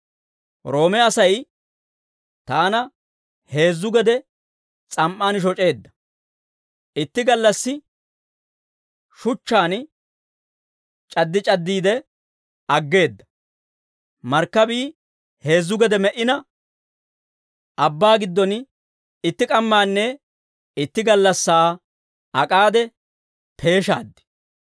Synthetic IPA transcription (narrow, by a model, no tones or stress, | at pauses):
ɾo̞ːmɛɐsɐj | t̪aːnɐ | he̞ːzːʊɡɛd̪ɛ | t͡sʼɐmʔaːnʃ̬ɔt͡ʃʼe̞ːd̪ːɐ̥ | ʔɪt̪ːɪɡɐlːɐsːɪ | ʃʊt͡ʃːaːn | t͡ʃʼɐd̪ːɪt͡ʃʼɐd̪ːiːd̪ɛ | ɐɡːe̞ːd̪ːɐ̥ | mɐɾkːɐbiː | he̞ːzːʊɡɛd̪ɛmɛʔɪnɐ | ʔɐbːaːɡɪd̪ːɔn | ɪt̪ːɪkʼɐmːaːnːɛ | ɪt̪ːɪɡɐlːɐsːaː | ɐkʼaːd̪ɛ | pʰe̞ːʃa̰ːd̪ːɪ̥